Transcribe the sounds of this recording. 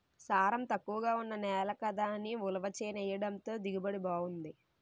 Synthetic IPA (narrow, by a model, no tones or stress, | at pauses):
saːɾɐmt̪ɐkːuʋɐɡaːunːɐnɛːlɐkɐd̪aːniulɐʋɐt͡ʃeːnɛjɐɽɐnt̪o̞ːd̪iɡibɐɽibaːɡund̪i